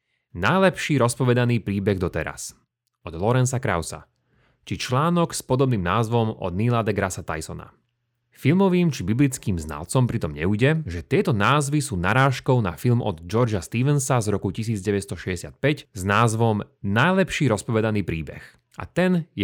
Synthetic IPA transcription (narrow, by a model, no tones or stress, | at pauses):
najlɛpʃiːɾɔspɔʋɛd̪aniːpɾiːbɛɣd̪ɔt̪ɛɾa̰s | ɔd̪lɔɾɛnsakɾa̰ʊsa̰ | t͡ʃit͡ʃlaːnɔɡspɔd̪ɔbniːmnaːzʋɔmɔ̰d̪nilad̪ɛɡɾasat̪a̰jsɔna̰ | filmɔʋiːmt͡ʃibiblit͡skiːmzna̰lt͡sɔmpɾit̪ɔmɲɛ̰uɟɛʒɛt̪ɪɛt̪ɔnaːzʋisuːnaɾaːʃkɔʊna̰filmʔɔ̰d̪d͡ʒɔɾd͡ʒast̪iːʋɛnsazɾɔkucisiːd͡zɟɛʋɛst̪ɔʃɛɟɛsɪa̰t̪̚pɛcznaːzʋɔmnajlɛpʃiːɾɔspɔʋɛd̪aniːpɾiːbɛ̰x | ʔa̰t̪ɛnjɛ